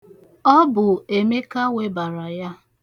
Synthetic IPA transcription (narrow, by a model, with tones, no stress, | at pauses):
ɔ˦bʊ˨e˨me˦ka˦we˦ba˨ɾa˨ja˦